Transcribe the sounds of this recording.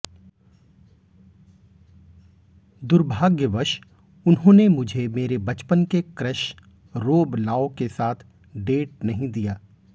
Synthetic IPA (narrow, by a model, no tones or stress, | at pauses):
d̪ʊɾbʱaːɡjəʋɐʃ | ʊnɦõːnemʊd͡ʒʱemeːɾebɐt͡ʃpənkekɾəʃ | ɾoːblaːokesaːt̪ʰ | ɖeːʈ̚nɐɦĩd̪ijaː